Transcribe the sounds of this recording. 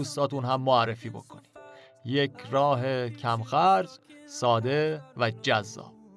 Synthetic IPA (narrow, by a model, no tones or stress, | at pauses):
uːst̪ɒːt̪unɦæmːoærːefiːbo̞̰kʰo̞ni̥ː | jecʰɾɒːɦecʰæmxæɾd͡ʒsɒːd̪e̞væd͡ʒæzːɒ̰ːb